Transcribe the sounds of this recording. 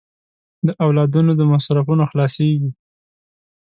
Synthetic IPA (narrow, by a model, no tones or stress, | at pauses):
d̪əʔawlɑd̪unod̪əmasɾafunoxlɑseɡi